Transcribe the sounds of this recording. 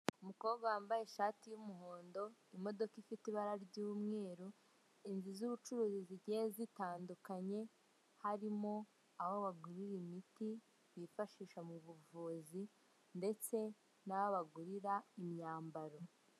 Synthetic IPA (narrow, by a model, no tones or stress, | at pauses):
umuko̞ːβɡwawaːmbajeʃatijumuɦo̞ːndo̞imo̞do̞kifitiβaɾaɾɟuːmŋe̞ːɾu | inzizuβut͡ʃuɾuːziziɾɟezitaːndukaɲe̞ | haɾimo̞ | ahoβaɡuɾiɾimiti | βifaʃiːʃamuβuvuːzi | nde̞t͡se̞ | naβaβaɡuɾiɾaimɲaːmbaɾo̞